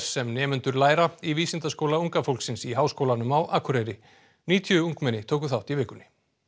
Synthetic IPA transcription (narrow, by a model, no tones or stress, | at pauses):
sːɛmnɛːmʏnt̪ʏɾlaːjɾaiviːsɪnt̪askowlauŋkafowlksɪnsiɦaːwskowlanʏmawʔakʰʏɾejɾɪ | niːt̪ʰjʏuŋkmɛnːɪt̪ʰoːwkʏθawht̪ivɪːkʏnɪ